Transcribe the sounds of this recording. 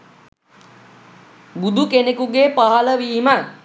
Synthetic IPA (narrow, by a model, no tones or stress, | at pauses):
bud̪ʱukenekuɡeːpaɦaləʋiːmə